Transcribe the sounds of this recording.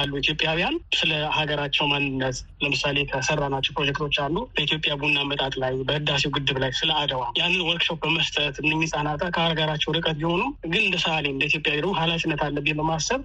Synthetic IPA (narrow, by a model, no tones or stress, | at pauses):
alːuit̪jo̞pʼjawjansɨləhaɡəɾat͡ʃːɛwmannəs | ləmɨsale̞kʰəsərːanat͡ʃːɛwpɾo̞d͡ʒɛk̚t̪ʰo̞t͡ʃːalːubəit̪ʰjo̞pʼjabunːamət̪ʼat̪ʼlajbəhɨd̪asewɡɨd̪ːɨβlajsɨləad̪əwajanːɨnwɔlkʃop̚bəməst̪ʰʼət̪ɨnːɨmːisʼanat̪ʼəkʰəaɾɡaɾat͡ʃːɛwɾɨkʼət̪biho̞nuɡɨnɨnd̪əsəaleɨnd̪əit̪ʰjo̞pʼjaid̪əmuhalat͡ʃʼɪnːət̪ʰalːəbːibəmasəβ